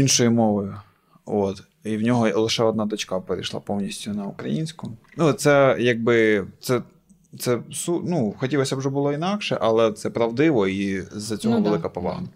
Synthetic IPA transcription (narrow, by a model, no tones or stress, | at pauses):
inʃɔjimɔʋjʊ | ot̪ | iwnʲɔɦɔlˠɪʃɛɔd̪nɑd̪ɔt͡ʃkɑpeɾʲijʃlˠɑ̰pɔwnʲisʲtʲʊnɐukɾɐjinʲsʲkʊ | nut̪sɛjaɡ̚bɪt̪sɛ | t̪sɛsunuxɔtʲilˠɔsʲɐwʒɛbʊlˠɔinɑkʃɛ̰ʔɐlˠɛt̪sɛpɾɐʋd̪ɪʋɔizɐt͡sʲɔɦɔʋelˠɪkɐpɔʋɑ̰ɦɐ